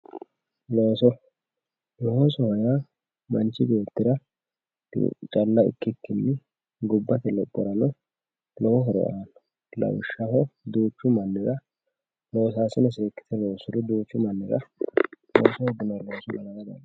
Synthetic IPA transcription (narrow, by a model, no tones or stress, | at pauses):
loːsɔ | lɔhosɔhɔja | mɐnt͡ʃːɪbeːt̪ːɪɾɐ̰ | t͡ʃʼɐlːɐɪ̰kːɪkːɪnːɪ | ɡʊbːɐt̪ɛlɔkʼːɔɾɐnɔ | lɔhɔɦɔɾɔ̰ʔaːn | lɐ̰wʃːɐhɔd̪uːt͡ʃːʊmɐnːɪɾɐ | lo̞ːsaːsɪnɔseːkːɪ̥t̪ʰɛloːsʊd̪ɔd̪uːt͡ʃːʊmɐnːɪɾɐ̰ | lo̰ːsɔhɔɡ̪ɪnɐlosɔmɐlɐɾɐb̪ɐ̰n